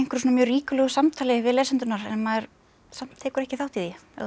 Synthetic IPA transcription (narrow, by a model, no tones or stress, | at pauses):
eŋ̥kʏɾ̥soːnmjœːriːkʏlɛɣʏsamt̪ʰaːlɪvɪðlɛːsɛnt̪ʏnaɾɛnmaðɛɾ̥ | sam̥t̪ʰːɛːkʏɾɛhcɪθawht̪iðiɛ̰